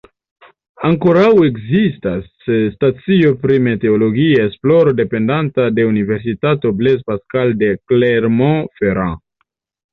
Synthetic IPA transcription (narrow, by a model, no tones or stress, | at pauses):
aŋko̞ɾawe̞ɡzistasː | tat͡sio̞pɾime̞te̞olo̞ɡiaesplo̞ɾode̞pe̞ndantade̞unive̞ɾs̬itato̞ble̞spaskalde̞kleɾmõfeɾã